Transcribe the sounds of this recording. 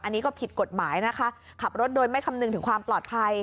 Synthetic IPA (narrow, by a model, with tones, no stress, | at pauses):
ʔa˧nːiː˦˥kɔː˥˩pʰi˨˩t̪̚ko˨˩t̪̚maː˩˦jna˦˥kʰa˦˥ʔ | kʰa˨˩p̚ɾo˦˥t̪̚doː˧jma˥˩jkʰa˧mnɯ˨˩ŋt̪ʰɯ˩˦ŋkʰwaː˧mplɔː˨˩t̪̚pʰa˧j